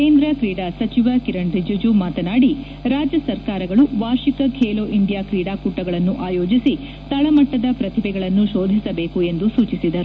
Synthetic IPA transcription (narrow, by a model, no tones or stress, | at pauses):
keːnd̪ɾɐkɾiːɽasɐt͡ʃiʋɐkiɾɐɳɖid͡ʒud͡ʒumaːt̪ɐnaːɽi | ɾaːd͡ʒjɐsɐɾkaːɾɐɡɐɭuʋaːɾʃikɐkʰeːloːʔiɳɖijaːkɾiːɽaːkuʈːɐɡɐɭɐnːuʔaːjoːd͡ʒisi | t̪ɐɭɐmɐʈːɐd̪ɐpɾɐt̪ʰibɛɡɐɭɐnːuʃo̞ːd̪ʱisɐbe̞ːkue̞nd̪usuːt͡ʃisid̪ɐɾu